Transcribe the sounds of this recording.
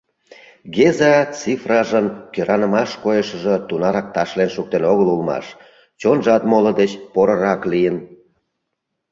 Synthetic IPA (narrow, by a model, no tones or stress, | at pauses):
ɡezɑt͡sifrɑʒənkøɾʔɑnəmɑʃkojəʃə̆ʒə̆t̪unɑɾɑk̚t̪ɑʃlenʃuk̚t̪enoɣəlulmɑ̰ʃ | t͡ɕonʒɑt̪molə̆d̪et͡ɕpoɾəɾɑklijən